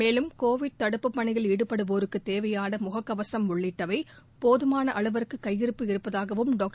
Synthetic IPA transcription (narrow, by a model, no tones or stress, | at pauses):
meːlɯmkoːʋɪɖ̚t̪ɐɽɯpːɯpːɐɳɪɣɐɭiɽɯpːɐɽɯʋoːɾɯkːɯt̪eːʋɐjaːnɐmʊɣɐkːɐʋɐsɐmʊɭːɪʈːɐʋɐɪ | poːðɯmaːnɐʔɐɭɯʋɐɾɯkːɯkːɐjːɪɾɯpːɯɪɾɯpːɐðaːɣɐʋɯmɖoːk̚ʈ